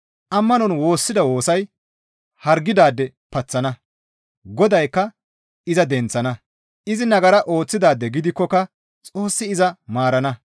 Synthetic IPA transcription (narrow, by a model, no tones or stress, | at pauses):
ʔɐmːɐnɔnwo̞ːsːɪd̪ɐwo̞ːsɐj | hɐɾɡːɪd̪aːd̪ːɛ | pɐt͡sːɐnɐ | ɡɔd̪ɐjkːɐ | ɪzɐd̪ɛnt͡sːɐnɐ | ʔɪzɪnɐɡɐɾɐʔo̞ːt͡sːɪd̪aːd̪ːɛɡɪd̪ɪkːɔkɐ | t͡sʼo̞ːsːɪɪzɐmaːɾɐnɐ